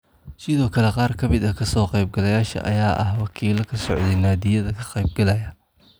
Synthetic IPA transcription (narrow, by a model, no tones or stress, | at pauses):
sɪðɔːkʰɐlɛqɑːrkʰɐmɪd̪ɐkʰɐsɔːqejb̚ɡɐlɐjaːʃɐ̰ʔɐ̰jaːʔɐhwɑkʰiːlɐkʰɐsɔʕd̪ɛjnaːd̪ɪjɐðɐkʰɐ̥qɑjb̚ɡɐlɐjɐ